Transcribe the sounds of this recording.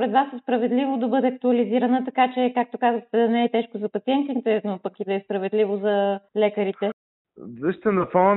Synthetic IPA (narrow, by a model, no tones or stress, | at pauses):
ɾɛd̪vasɛspɾɐvɛd̪livod̪ɐbɤd̪ɛɐk̚t̪uɐliziɾɐnət̪ɐkat͡ʃɛkak̚t̪okazəxt̪ɛd̪ɐnɛɛt̪ɛʃkozɐpɐt̪siɛnt̪int̪ɛnopɐkid̪ɐɛspɾɐvɛd̪livozɐlɛkəɾit̪ɛ | zɛʃt̪ɛnɐfɔ